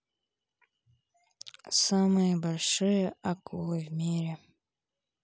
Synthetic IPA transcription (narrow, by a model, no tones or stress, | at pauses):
samɨjəbalʲʂɨjəakɨvmʲiɾʲe